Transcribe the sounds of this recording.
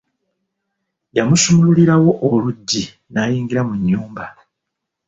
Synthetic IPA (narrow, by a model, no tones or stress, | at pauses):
jamusumululiɾawo̞ʔoluɟːi | naːjiːŋɡiɾamuɲːuːmba